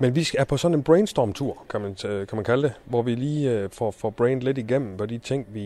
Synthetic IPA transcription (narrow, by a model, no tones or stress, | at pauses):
menʋisɡ̥æɐpʰɒ̽sɒ̽nenb̥ʁeɪnsd̥ɒːmt͡sʰuɐ̰kʰæmænkʰæmænkʰæld̥e̝ʋɒʋiliːfɒfɒb̥ʁeɪnd̥le̝diɡ̥em̰m̩pʰɒ̽d̥it͡sʰeŋ̰ʋi